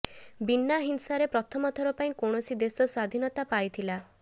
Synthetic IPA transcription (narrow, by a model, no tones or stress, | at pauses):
binːaɦinsaɾepɾɔt̪ʰɔmɔt̪ʰɔɾɔpaĩkɔɳ̃ɔsid̪esɔswad̪ʱinɔt̪apajt̪ʰila